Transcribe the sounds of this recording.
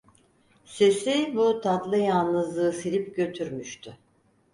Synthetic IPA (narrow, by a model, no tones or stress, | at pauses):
sesybut̪ʰad̪lˠɯjalˠnɯzlˠɯːsiɾipɟø̞t̪ʰyɾmyʃt̪ʰʏ